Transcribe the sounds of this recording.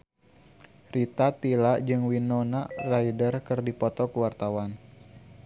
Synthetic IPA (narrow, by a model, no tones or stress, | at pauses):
rit̪at̪ilad͡ʒɨŋwinɔnaraidərkɨrdipɔt̪ɔkəwart̪awan